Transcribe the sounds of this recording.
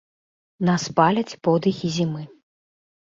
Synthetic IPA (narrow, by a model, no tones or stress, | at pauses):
naspalʲɐt͡sʲpɔd̪ɨxʲizʲimɨ